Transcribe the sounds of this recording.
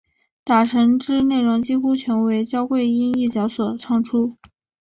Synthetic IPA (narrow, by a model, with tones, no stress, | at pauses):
t̪a˨˩ʈ͡ʂʰɤ˧˥ŋʈ͡ʂɻ̩˥ne˥˩ɪɻʊ˧˥ŋt͡ɕi˥xu˥t͡ɕʰɥɛ˧˥nwe˧˥ɪt͡ɕjɑ˥ʊkwe˥˧ɪi˥ni˥˩t͡ɕjɑ˧˥ʊswɔ˨˩ʈ͡ʂʰɑ˥˩ŋʈ͡ʂʰu˥